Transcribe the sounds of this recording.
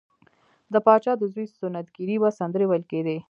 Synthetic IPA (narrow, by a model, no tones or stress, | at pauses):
d̪əpɑt͡ʃɑd̪əzwesʊnat̪̚ɡiɾibasand̪əɾewalked̪e